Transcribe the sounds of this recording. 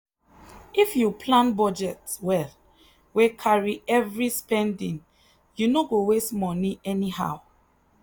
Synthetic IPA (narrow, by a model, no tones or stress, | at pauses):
ifjupʰlãnbɔd͡ʒɛtwɛl | wekʰaɹiɛvɹispɛ̃ndĩŋ | junoɡowestmɔniɛniha̰ʊ